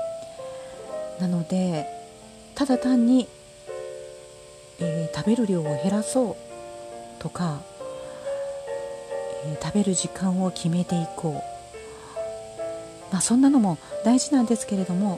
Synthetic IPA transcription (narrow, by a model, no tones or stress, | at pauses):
nano̞d̪e̞ | t̪ad̪at̪ãɲ̟ːi | eːt̪abe̞ɾɯ̟ɾʲo̞ːhe̞ɾaso̞ː | t̪o̞ka | et̪abe̞ɾɯ̟ʑikãɰ̃o̞kʲʰime̞t̪e̞iko̞ː | maːsõ̞nːano̞mo̞d̪aiʑinãnd̪e̞sɨ̥ke̞ɾe̞d̪o̞mo̞